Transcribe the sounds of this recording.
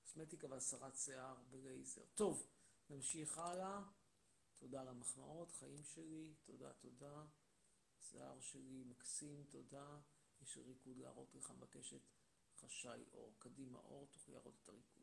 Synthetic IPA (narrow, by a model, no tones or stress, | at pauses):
kosmet̪ikaveasaʁatseaʁbelejze̞̰ʁto̞v | namʃiχala | tʰo̞daːlamaχmao̞tχaimʃelito̞da̰t̪o̞da | sḛa̰ʁʃelimaksimto̞da | jeʃlʁikud̪la̰aːʁo̞tleχanbake̞ʃe̞t | χaʃajʔo̞̰ʁkadima̰ʔo̞ʁt̪o̥χlia̰ːʁot̪e̥taʁikud̥